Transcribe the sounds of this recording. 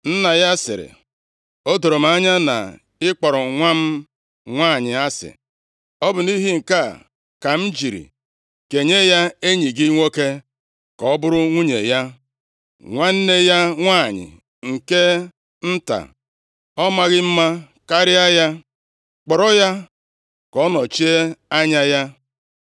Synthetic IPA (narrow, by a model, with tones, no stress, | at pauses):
n̩˦na˨ja˦sɪ̰˨ɾɪ̰˨ | o˦do˨ɾo˨m̩˨a˦ɲa˦na̰˨ | ɪ˦k͡pɔ˨ɾɔ˨ŋʷa˦m̩˦ | ŋʷa˦˨ɲɪ˨a˦sɪ̰˨ | ɔ˦bʊ˨ni˦ɦi˦ŋ̩˨ka˦˨ | ka˨m̩˦d͡ʒi˨ɾḭ˨ | ke˨ɲe˦ja˦e˦ɲi˨ɡɪ˦ŋʷo˦ke˦ | kɔ˨ɔ˦bʊ˦ɾʊ˦ŋʷu˦ɲḛ˨ja˦ | ŋʷa˦n̩˦ne˦ja˦ŋʷaː˦˨ɲɪ̰˨ | ŋ̩˨ke˦ | n̩˦ta̰˨ | ɔ˦ma˦ɣɪ˦m̩˦ma˦ | ka˦ɾɪ˦a˦ja˦ | k͡pɔ˨ɾɔ˦ja˦ | kɔ˦nɔ˨t͡ʃi˦e˦a˦ɲa˦ja˦